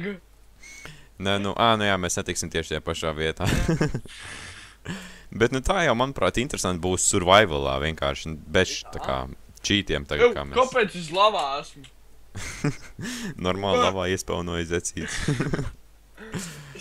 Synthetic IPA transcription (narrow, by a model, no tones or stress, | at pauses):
nɛnuʔaːnujaːmesnet̪iksʲimt̪iɛʃt̪ajaːpaʃaːʋiɛt̪aː | bɛt̪nut̪aːjawmanupɾaːt̪int̪ɾesant̪ʲbuːssuɾvajvɨlˠa̰ːʋiɛnkʰa̰ːɾʃnbɛʃt̪aka̰ː | t͡ʃiːt̪iɛmt̪aɡka̰ːmekopeːt̪sizlˠaʋaːæsm | nɔɾmaːlˠlˠaʋaːiɛspɛ̰ʊnuɔizɛt̪siːt̪s